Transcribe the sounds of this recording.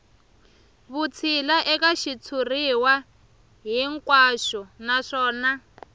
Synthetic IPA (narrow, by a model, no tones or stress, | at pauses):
βut͡sʰilaʔɛkaʃit͡sʰuriwa | ɦiŋkwaʃɔnaʂɔːna